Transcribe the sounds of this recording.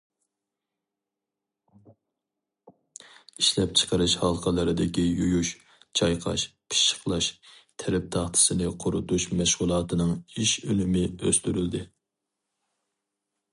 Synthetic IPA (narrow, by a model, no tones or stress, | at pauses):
iʃlɛp̚t͡ʃʰə̥qəɾɨʃhɑlˠqəlˠəɾɨd̪ɪkʲijujuʃ | t͡ʃʰɑjqʰɑ̰ʃpʰi̥ʃə̥qlˠɑʃt̪ʰɛɾɛp̚t̪ʰɑχt̪ʰɨ̥sɨnɪqʰʊɾʊt̪uʃmɛʃʁʊlˠɑːt̪ɨnɨŋiʃønymɪøst̪yɾyld̪ɪ